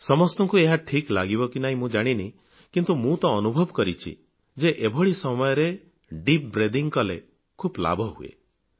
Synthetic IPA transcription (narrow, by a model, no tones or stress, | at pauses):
sɔmɔst̪ɔŋkueɦaʈʰiklaɡibɔkinaɦĩmũd͡ʒaɽ̃ini | kint̪umũt̪ɔ̃ːnubʱɔbɔkɔɾit͡ʃʰḭ | d͡ʒeʔebʱɔɭisɔmɔjɔɾe | ɖip̚bɾed̪iŋkɔlḛ | kʰupla̰bʱɔɦṵḛ